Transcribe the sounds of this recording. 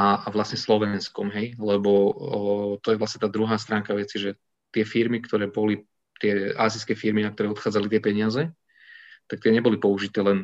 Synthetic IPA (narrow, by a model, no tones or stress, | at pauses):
aaʋlasɲɛslɔʋɛnskɔmɦɛjlɛbɔ | t̪ɔjɛʋlasɲɛt̪aːd̪ɾuɦaːst̪ɾaːŋkaʋɛt͡siʒɛ | t̪ɪɛfiɾmikt̪ʰɔɾɛːbɔli | t̪ɪɛaːziskɛːfiɾminak̚t̪ɔɾɛːɔt̪xaːd͡zalit̪ɪɛpɛɲɪazɛ | t̪ak̚t̪ɪɛɲɛbɔlipɔuʒit̪ɛːlɛn